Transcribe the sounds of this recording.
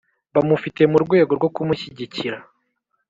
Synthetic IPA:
βamufite̞muɾɡwe̞ːɡoɾɡo̞kumuçiɟiciɾa

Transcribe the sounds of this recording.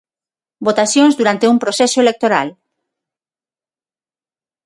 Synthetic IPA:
bot̪asjoŋzd̪uɾant̪eumpɾosɛsoelek̚t̪oɾa̰l

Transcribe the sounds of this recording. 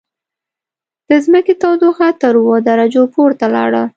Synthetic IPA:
d̪̥əzməket̪awd̪oxat̪əɾwəd̪aɾad͡ʒopoɾt̪alɑ̰ɽə

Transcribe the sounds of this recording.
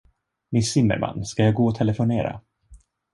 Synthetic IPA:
mɪnsɪmːə̰ɾmʔa̰nːskajɑːɡoːɔt̪ʰɛləfʊneːɾa̰

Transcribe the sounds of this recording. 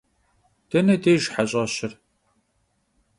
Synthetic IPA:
d̥ɐnɐdeːʒħaɕʼɐɕɪr

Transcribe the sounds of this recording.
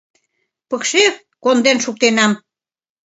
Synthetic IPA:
pɤkʃe | kond̪enʃuk̚t̪enɑm

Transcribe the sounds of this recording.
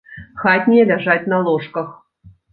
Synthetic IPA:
xɑtʲnʲelʲæʐɑt̪ʲnɑlˠoʂkɤ̆x

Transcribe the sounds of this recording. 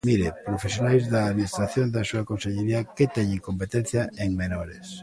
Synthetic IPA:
miɾepɾofesjonajzðaːðminist̪ɾaθjõnd̪ɐsuakõnseʎeɾiaket̪ɛɲɪŋkompet̪ɛn̟θjaʔeŋmenoɾes

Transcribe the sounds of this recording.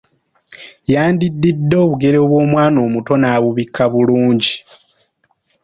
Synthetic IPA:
jaːndidːidːo̞ːβuɡe̞ɾe̞βwo̞ːmwaːno̞ːmuto̞naːβuβikʰːaβuluːɲɟi

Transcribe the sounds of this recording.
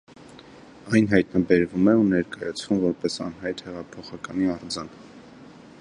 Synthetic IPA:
ɑjnɦɑjt̪nɑbɛɾvumɛunɛɾkɑjɑt͡sʰv̥umvɔɾpɛsɑ̰nɦɑjt̪hɛʁɑpʰɔχɑkɑniɑɾd͡zɑn

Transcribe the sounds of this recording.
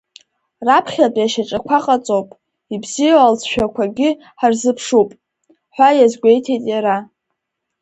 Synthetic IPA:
rapʰχʲapʼjaʃaʈ͡ʂʼakʷʰaqʼat͡sʼowpʼ | ibzijaalt͡sʰʃᶣakʷʰaɡʲɪ | ħarzɨpʰʂupʼ | ħʷajazɡʷe̞jtʰejtʼjaɾa

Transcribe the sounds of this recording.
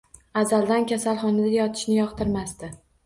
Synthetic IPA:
azald̪ankʲʰasalˠχɒnad̪ajɒt̪ʰɪ̥ʃnɪjɒqt̪ʰɪɾmast̪ɪ

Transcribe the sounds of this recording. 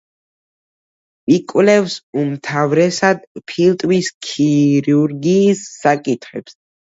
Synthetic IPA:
ikʼwlɛvsumt̪ʰavɾɛsad̪pʰilt̪ʼwiskʰiɾuɾɡiːsːakʼit̪ʰχɛps

